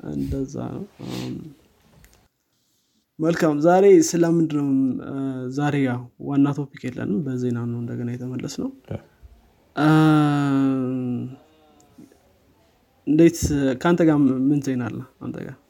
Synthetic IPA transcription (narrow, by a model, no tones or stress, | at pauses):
ʔɨ̰nd̪əzːa̰nə̰w | məlkʰamzaɾe̞sɨləmɨnd̪ɨnm | zaɾe̞jawanːat̪ʰo̞pikjelːə̰nɨmbəzenanəwɨnd̪əɡənajɛt̪ʰəməlːəsnəw | ɨnd̪ejt̪kʰant̪ʰəɡamɨnzenalːəa̰nt̪ʰə̰ɡa